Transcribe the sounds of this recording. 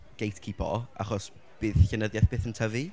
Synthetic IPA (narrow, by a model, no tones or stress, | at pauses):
ɡ̥ejtʰkʰipʰɔ̰ʔa̰χɔs | b̥ɨːðçənəðjɛθb̥eːθəntʰəvi